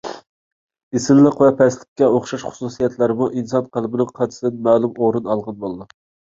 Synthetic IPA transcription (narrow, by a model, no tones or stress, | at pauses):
esɪnlˠəqvɛpʰɛslɪ̥kʲːɛoχʃɑʃχʊ̥susijɛt̪læɾɪmuʔinsɑnqʰəlˠbɪnɪŋqʰɑʃɪd̪ɪnmæːlˠumoɾunɑlˠʁɑnbolˠɨd̪u